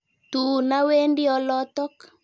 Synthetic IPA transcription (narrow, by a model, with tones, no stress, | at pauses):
t̪u˨na˦we˦ndi˦ɔ˦lɔ˦t̪ɔ˦k